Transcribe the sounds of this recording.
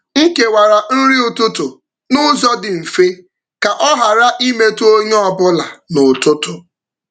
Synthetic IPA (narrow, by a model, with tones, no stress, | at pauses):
ŋ̩˦ke˨wa˨ɾa˨n̩˦ɾi˦ʊ˨tʊ˦tʊ˨ | nʊ˦zɔ˦dɪ˨m̩˨fe˦ | ka˨ʔɔ˦ɦa˨ɾa˦ʔi˦me˦to˦ɲe˦ɔ˨bʊ˦la˨nʊ˨tʊ˦tʊ˨